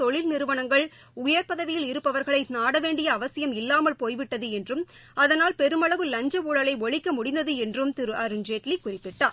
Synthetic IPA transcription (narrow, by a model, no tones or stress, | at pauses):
t̪ɔɭɪlnɪɾɯʋɐɳɐŋɡɐɭ | ʊjɐɾpɐðɐʋɪjɪlɪɾɯpːɐʋɐɾɣɐɭɐɪnaːɽɐʋeːɳɖɪjɐːʋɐsɪjɐmɪlːaːmɐlpoːjʋɪʈːɐðɯɛndrɯm | ɐðɐnaːlpɛɾɯmɐɭɐʋɯlɐɲd͡ʒɐʋuɭɐlɐɪɔɭɪkːɐmʊɽɪnd̪ɐðɯɛndrɯmt̪ɪɾɯʔɐɾɯnd͡ʒeːʈlikːʊrɪpːɪʈːaː